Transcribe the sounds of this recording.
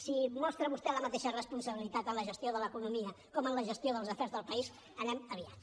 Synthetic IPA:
simɔst̪ɾəβust̪ɛləmət̪eʃərəspunsəβilit̪at̪ːənləʒəst̪ioðələkunumiə | kɔmənləʒəst̪ioðəlˠzəfɛrzðəlˠpəis | ənɛməβia̰t

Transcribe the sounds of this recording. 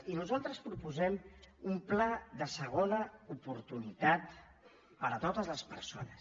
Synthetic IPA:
inuzalˠt̪ɾəspɾupuzɛmumplɛðəsəɣ̞onəupuɾt̪unit̪at̪ | pəɾət̪ot̪əzləspəɾso̰nəs

